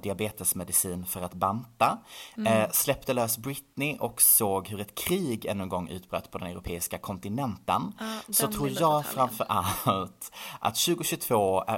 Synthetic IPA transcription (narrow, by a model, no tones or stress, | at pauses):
d̪ɪabeːt̪əsmɛd̪ɪsiːnfœɾat̪bant̪a | slɛp̚t̪əlœːsbɾɪt̪nɪʔɔksoːɡɦɵɾɛt̪kʰɾiːɡɛ̰nːənɡɔŋːʔʉ̟ːt̪̚bɾœ̰ːt̪ːpʰɔd̪ɛnɛɾʊpʰeːɪskakʰɔnt̪ɪnɛnt̪ənsɔt̪ʰɾuːɾjɑːɡfɾamfœɾʔallt̪ʔa̰t̪ɕʉ̟ːɡʊɕɵt̪ʰvoːæ̰